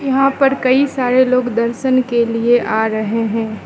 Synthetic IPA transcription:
jɐɦãpɐɾkɐisaːɾeloːɡd̪ɐɾʃənkelieʔaːɾɐɦeɦɛ̃ː

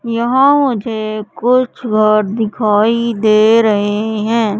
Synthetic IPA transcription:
jɐɦãmʊd͡ʒʱekʊt͡ʃʰɡʱəɾd̪ɪkʰaːid̪eːɾɐɦeɦɛ̃ː

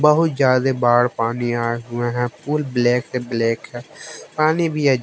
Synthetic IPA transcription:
bəɦʊt̪d͡ʒjaːd̪eːbaːɽpaːniːaːeɦʊẽːɦɛ̃ːpuːlbleːkt̪eːbleːkɦɛːpaːniːbʱiːɛ

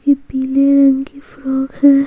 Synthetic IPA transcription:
kipiːleɾɐ̃ŋɡkifɾɔːkhɛ̃ː

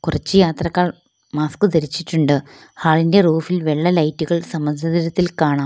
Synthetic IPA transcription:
kurɐt͡ɕːɨjaːt̪rɐkːaːɭ | maːskɨd̪ɐɾit͡ɕːiʈːuɳɖɨ | haːɭinde̞ruːfilʋe̞ɭːɐlɐjtːuɣɐɭsɐmɐnd̪ʱɐðiɾɐt̪ːilkaːɳaː

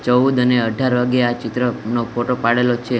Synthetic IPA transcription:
t͡ʃəud̪əneəɖʱaɾʋaɡeat͡ʃɪt̪ɾənopoʈopaɽelot͡ʃʰe

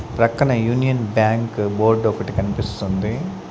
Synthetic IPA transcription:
pɾɐkːɐɳɐjuːnijɐnbjaːŋkboːɾɖokːɐʈːikɐnipist̪und̪i

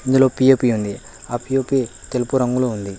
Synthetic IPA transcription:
ind̪uloːpijeːpiund̪i | aːpijeːpit̪elipuɾɐŋɡuluund̪i

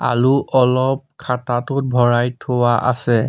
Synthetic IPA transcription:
a̰luʔɔlɔp̚kʰatatʊt̚bʱɔɹajtʰowaʔa̰sɛ

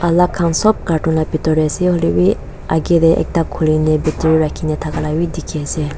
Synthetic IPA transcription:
ʔalakʰaŋsɔp̚kaʈuŋlapit̪ɔɾɛseholiwi | ʔaɡet̪ɛʔɛ̰k̚t̪akʰulinɛbit̪ɾiɹakʰinɛt̪ʰakalawid̪ikʰese

